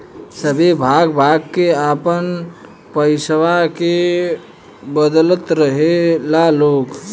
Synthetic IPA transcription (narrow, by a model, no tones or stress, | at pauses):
səbʱebʱaɡbʱaɡkeapən | pəɪsʋake | bəd̪lət̪ɾəɦelalok